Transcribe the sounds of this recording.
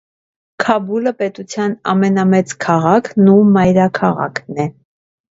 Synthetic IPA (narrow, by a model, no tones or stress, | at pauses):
kʰɑbuləpɛt̪ut͡sʰjɑnɑ̰mɛnɑmɛt͡skʰɑʁɑkʰnumɑjɾɑkʰɑʁɑ̰kʰnɛ